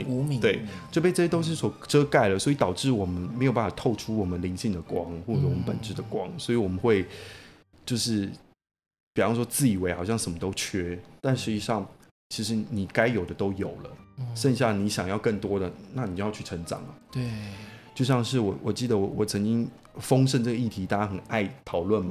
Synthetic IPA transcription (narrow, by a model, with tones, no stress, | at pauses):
t̪we˥˩ɪt͡swp̬e˥˧ʈ͡ʂjɛ˥t̪o˥ʊʂ̬ɻ̩˥˩swɔ˨˩ʈ͡ʂɤ˥ka˥˩ɪlə˩swɔ˧˥i˧˥t̪ɑ˨˩ʊʈ͡ʂɻ̩˥˩wɔ˨˩mə˦nme˧˥o˨˩ʊpa˥˩fɑ˨˩t̪ʰo˥˩ʊʈ͡ʂʰu˥wɔ˨˩mə˦nli˧˥ŋɕi˥˩ŋd̪ə˩kwɑ˦˥ŋxwɔ˥˩ʈ͡ʂɤ˧˩wɔ˨mə˦npə̰˨˩nʈ͡ʂɻ̩˧˥d̪ə˨kwɑ˦˥ŋswɔ˧˥i˨wɔ˨˩mə˨˦nxwe˥˧ɪ | t͡ɕjo˥˧ʊʂɻ̩˥˩ | pi˨˩fɑ˥˩ʂwɔ˥t͡sɹ̩˥˩i˨˩we˧˥ɪxɑ˨˩ɕjɑ˥˩ŋʂə˧˥nmə˦t̪o˥ʊt͡ɕʰɥɛ˥t̪a˥˩nʂɻ̩˧˥t͡ɕi˧˥ʂɑ˥˩ŋ | t͡ɕʰi˧˥ʂɻ̩˧˥ni˨˩ka˥ɪjo˨˩ʊd̪ə˦t̪o˥ʊjo˨˩ʊlə˦ʂə˥˧nɕ̬jɑ˥˩ŋni˧˥ɕjɑ˨˩ŋjɑ˥˧ʊkə˥˩ŋt̪wɔ˥d̪ə˨na˥˩ni˨˩t͡ɕo˥˧jɑ˥˧t͡ɕʰy˥˩ʈ͡ʂʰɤə˧˥ŋʈ͡ʂɑ̰˨˩ŋɐ˩ | t͡ɕjo˥˧ʊɕjɑ˥˧ŋʂɻ̩˥˩wɔ˨˩wʔɔ˨˩t͡ɕi˥˩d̪ə˩wɔ˨˩wɔ˨˩t͡sʰə˧˥ŋt͡ɕi˦˥ŋ | fɤ˥ŋʂ̬ə˥˧nʈ͡ʂɤ˥˩ɡə˧i˥˩t̪ʰi˧˥t̪a˥˧t͡ɕa˥xə˨˩na˥˩ɪt̪ʰɑ˨˩ʊlwə˥˩nma˨˩